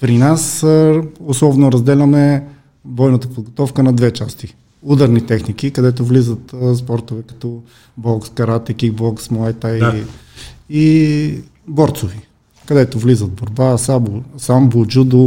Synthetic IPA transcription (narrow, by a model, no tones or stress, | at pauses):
pɾinas | oslˠɔvnoɾɐzd̪ɛlʲɐmɛ | bɔjnət̪əpod̪ɡot̪ɔfkənɐd̪vɛt͡ʃast̪i | ud̪ɐɾnit̪ɛxnikikɐd̪ɛt̪̬ovlizət̪spɔɾt̪ovɛkɐ̥t̪ɔ | bɔlˠkskɐɾat̪ɛkiɡ̚bɔlˠksmoɛt̪aii | i | bɔɾt̪sʊvi | kɐd̪ɛt̪ovlizət̪̚boɾbasabusambod͡ʒud̪ʊ